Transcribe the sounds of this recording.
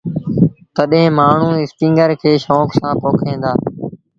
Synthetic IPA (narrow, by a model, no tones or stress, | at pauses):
t̪əɗẽːmaːɳ̤ũːɪsʈĩːŋɡəɾkʰeːʃoːksãːpoːkʰẽːnd̪aː